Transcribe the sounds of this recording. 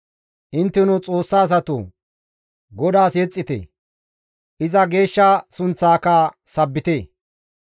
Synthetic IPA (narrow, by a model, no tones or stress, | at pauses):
ʔɪnt̪ːɪnʊt͡sʼo̞ːsːaːs̬ɐt̪ṵ | ɡɔd̪aːsjɛt͡sʼːɪt̪ɛ̰ | ʔɪzɐɡe̞ːʃːɐsʊnt͡sːaːkaːsɐbːɪt̪eː